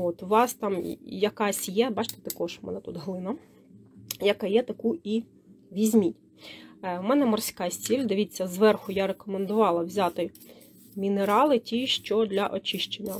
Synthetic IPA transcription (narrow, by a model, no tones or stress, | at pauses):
ot̪ʊʋɑst̪ɑmjɐkɑsʲjɛbɑt͡ʃt̪e̥t̪ɐkɔʒmɛ̰nɛt̪ut̪ɦlˠɪnɐ | jɐkɑjɛt̪ɐkui | ʋʲizʲmʲitʲ | mɛnɛmɔrsʲkɑsʲtʲilʲd̪eʋʲit͡sʲːɐzʋɛrxʊjaɾekɔmend̪ʊʋɑlˠɐwzʲat̪ɪ | mʲineɾɑlˠɪtʲiʃt͡ʃɔd̪lʲɐʔɔt͡ʃɪʃt͡ʃenʲːɐ